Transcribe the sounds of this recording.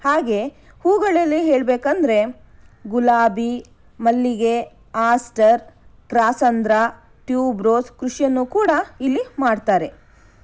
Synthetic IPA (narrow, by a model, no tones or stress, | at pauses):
haːɡe̞ | huːɡɐɭɐlːiɦe̞ːɭbeːkɐnd̪ɾe̞ | ɡulaːbi | mɐlːiɡe̞ | aːsʈɐɾkɾaːsɐnd̪ɾa | ʈjuːbɾoːskɾuʂjɐnːukuːɽɐilːimaːɖt̪aːɾe̞